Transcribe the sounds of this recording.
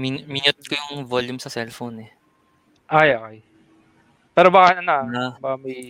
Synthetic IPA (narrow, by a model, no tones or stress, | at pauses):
miminot̪̚kojʊŋvoljʊmsɐsɛlfownɛ | ʔajokɛj | pɛːɾobakɐnɐnobakɐmɐj